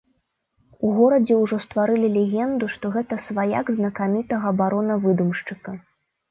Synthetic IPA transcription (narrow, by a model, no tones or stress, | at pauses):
uɣɔɾɐd͡zʲɛwʐɔst̪vaɾɨlʲilʲɛɣʲɛnd̪uʂt̪ɔɣɛt̪ɐsvaja̰ɡznɐkamʲit̪ɐɣɐːbaɾɔnɐvɨd̪umʂt͡ʂɨkɐ